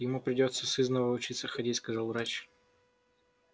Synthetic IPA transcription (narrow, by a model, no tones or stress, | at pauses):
jɪmupɾʲɪdʲo̞t̪səsɨznəvəʊt͡ɕit̪səxɐdʲitʲskɐzalˠvɾat͡ɕ